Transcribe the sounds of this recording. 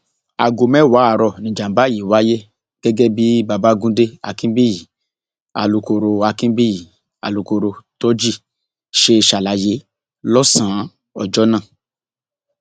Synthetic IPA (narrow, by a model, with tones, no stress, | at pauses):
a̰˨ɡo˨mɛ˦˨wa˨˦a˨ɾɔ˧˨nĩ˨d͡ʒã˨m˦ba˦ji˨wa˦je˦ | ɡ̥ɛ˦ɡɛ˦bi˦ba˨ba˦ɡũ˦de˦a̰˨kĩ˦bi˦ji˨ | a̰˨lu˧ko˧ɾo˧a˧kĩ˦bi˦i˨ | a̰˨lu˨˧ko˧ɾo˧tɔ˦d͡ʒi˦˨ | ʃe˧ʃa˨la˨˦je˧˦ | lɔ˦sã˨˦ | ɔ̰˨d͡ʒɔ˦nã˦˨